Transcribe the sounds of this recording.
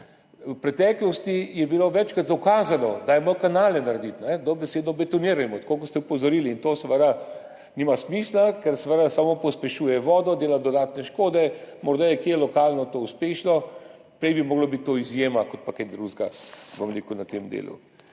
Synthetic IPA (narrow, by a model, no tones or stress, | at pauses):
wpɾɛt̪ɛːklɔst̪ijɛbiloʋɛt͡ʃkat̪zawkaːzanɔd̪ajɛmɔɾkanaːlɛnaɾed̪it̪nɛd̪ɔbɛseːd̪nɔbɛt̪ɔniːɾajɛmɔt̪kokɔst̪ɛupɔzɔɾiliːnt̪oːsəʋəd̪a | nimasmiːslakɛɾsʋəd̪asamopɔspɛʃuːjɛʋɔːd̪ɔd̪eːlad̪ɔd̪aːt̪nɛʃkoːd̪ɛmɔɾd̪ajɛkjelɔkaːlnɔt̪ouspeːʃnɔ | pɾɛjbimoːɡlɔbit̪̚t̪ːoizjeːmakot̪̚paked̪ɾuzɡabomɾḛːkunat̪emd̪ḛːlṵ